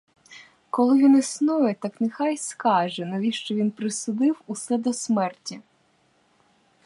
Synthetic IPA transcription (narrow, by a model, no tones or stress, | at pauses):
kɔlˠɪʋʲinisnujɛt̪ɑknɛxɑjskɑʒɛnɔʋʲiʃt͡ʃɔʋʲinpɾɪsʊd̪ɪwʊsɛd̪ɔsmɛrtʲi